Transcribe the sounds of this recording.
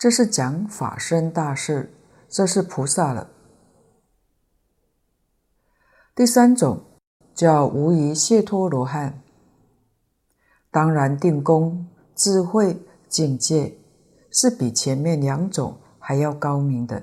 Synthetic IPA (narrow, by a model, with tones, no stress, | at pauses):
ʈ͡ʂɤ˥˧ʂɻ̩˥˩t͡ɕjɑ˧˥ŋfa̰˨˩ʂə˥nt̪a˥˧ʂɻ̩˥˩ | ʈ͡ʂɤ˥˧ʂɻ̩˥˩pʰu˧˥sa˥˩lə̰˨˩ | t̪i˥˩sa˥nt͡sʊ˨˩ŋ | t͡ɕjɑ˥˩ʊʔu˧˥i˧˥ɕjɛ˥˧t̪ʰwɔ˥lwɔ˧˥xa˥˩n | t̪ɑ˥ŋɻa˧˥nt̪i˥˩ŋkʊ˥ŋ | t͡sɹ̩˥˧xwe˥˧ɪ | t͡ɕi˥˧ŋt͡ɕjɛ˥˩ | ʂɻ̩˥˩pi˨˩t͡ɕʰjɛ˧˥nmjɛ˥˩nljɑ˧˥ŋʈ͡ʂʊ̰˨˩ŋ | xa˧˥ɪjɑ˥˩ʊkɑ˥ʊmi˧˥ŋd̪ə̰˧